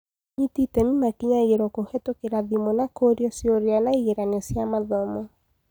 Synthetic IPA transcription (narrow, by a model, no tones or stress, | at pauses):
ɲititɛmimakiɲaɣeɾɔkohɛtokeɾaðimɔnakoɾjɔsjoɾeanaiɣeɾanesjamaðɔmɔ